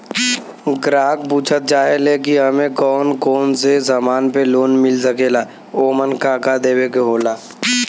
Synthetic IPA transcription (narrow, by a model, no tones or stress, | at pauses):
ɡɾaːk̚puːt͡ʃʰət̪̚d͡ʒaːeleːkiɦɐmẽkɔːnkoːnsezəmaːnpeloːnmɪlsəkeːlaː | oːmənkaːkad̪eːwekeɦoːlaː